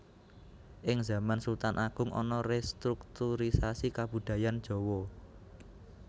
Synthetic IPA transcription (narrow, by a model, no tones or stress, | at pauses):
ʔɪŋza̤mansult̪anʔaɡ̥ʊ̤ŋɔ̰nɔrest̪ɾuk̚t̪uɾisasikab̥ṳd̪̥ä̤jand̥ʒ̥ɔ̤wɔ